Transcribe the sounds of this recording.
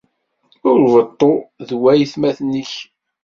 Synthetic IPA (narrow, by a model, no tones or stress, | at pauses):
ʊɾvət̪ˤːoðwæjθmæθnəç